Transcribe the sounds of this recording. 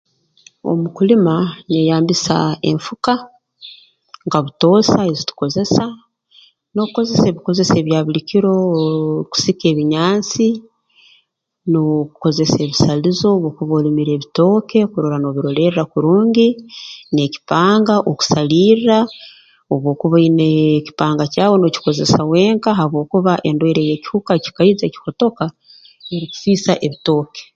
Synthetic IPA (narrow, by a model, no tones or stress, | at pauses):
o̰mukulimanejaːmbisa̰ḛɱfuka | ŋɡaβuto̞ːsaezitu̥ko̞ze̞sa | no̞kuko̞ze̞se̞ːβiko̞ze̞se̞ːβjaːβilikiɾo̞ku̥sike̞ːβiɲaːnt͡si | noku̥ko̞ze̞se̞ːβisalizo̞ːβo̞ːkuβoːlimiɾe̞ːβito̞ːke̞kuɾoɾano̞ːβiɾo̞le̞ɾɾakuɾuːɲɟine̞ci̥paːŋɡaʔoku̥saliːrɾa | oβwo̞ːkuβaineci̥paːŋɡacaːwo̞no̞ci̥ko̞ze̞sawe̞ːŋkaɦaβwo̞ːkuβaʔe̞ndweɾe̞je̞ci̥hukaci̥kaizeci̥ko̞to̞ka | eɾiku̥fiːsaʔe̞βito̞ːke̥